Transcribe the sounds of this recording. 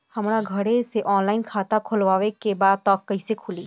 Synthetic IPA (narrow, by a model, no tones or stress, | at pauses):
hɐmɾaɡʱɐɽeseʔɔːnlaːɪnkʰaːt̪akʰʊlʋaːʋekebaːd̪̚t̪ɔːkːɐisekʰʊliː